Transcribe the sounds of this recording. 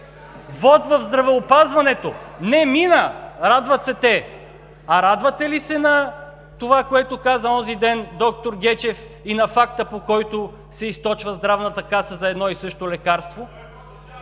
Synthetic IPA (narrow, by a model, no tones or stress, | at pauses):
vɔt̪vɐvzd̪ɾɐvɛopazvɐnɛt̪onɛminəɾad̪vɐt̪sɛt̪ɛ | ɐɾad̪vɐt̪ɛlisɛnɐ | t̪ovakoɛt̪okazəɔzid̪ɛnd̪ɔk̚t̪oɾɡʲɛt͡ʃɛf | inɐfakt̪əpokɔjt̪o | sɛist̪ɔt͡ʃvəzd̪ɾavnɐt̪əkasəzɐɛd̪nɔisɤʃt̪olɛkaɾst̪vo